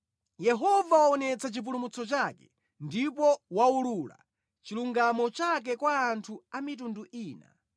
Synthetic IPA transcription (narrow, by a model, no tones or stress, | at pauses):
jɛɦɔvawaɔnɛt͡sʰat͡ʃip̬ulumut͡sʰɔt͡ʃakɛ | ndipɔwaulula̰ | t͡ʃiluŋɡamɔt͡ʃak̬ɛkwaːntʰuamit̬unduʔiːna̰